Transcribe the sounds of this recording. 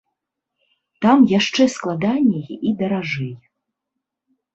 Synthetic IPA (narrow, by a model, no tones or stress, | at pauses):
t̪amjaʂt͡ʂɛsklˠad̪anʲːɛjid̪ɐɾaʐɛj